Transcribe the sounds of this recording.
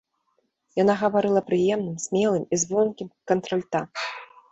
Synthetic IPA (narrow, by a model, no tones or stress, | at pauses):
janaɣɐvaɾɨlˠɐpɾɨjɛmnɨmsʲmʲɛlˠɨmizbɔnkʲimkɐnt̪ɾɐlʲt̪am